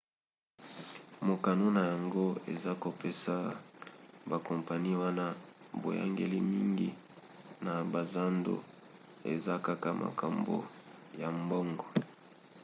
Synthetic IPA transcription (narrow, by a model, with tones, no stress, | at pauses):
mo˨ka˨no˦na˨ja˨ŋɡo˦ḛ˨za˦ko˨pe˦sa˦ | ba˨kɔ˨mpa˨ni˦wa˦na˦ | bo̰˨ja̰˦ŋɡḛ˨li˦mi˦ŋɡi˦ | na˨ba˨za˦ndo̰˦˨ | ḛ˨za˦ka˦ka˦mʔa̰˨ka˨mbo̰˨ja˨mbɔ˦ŋɡɔ˨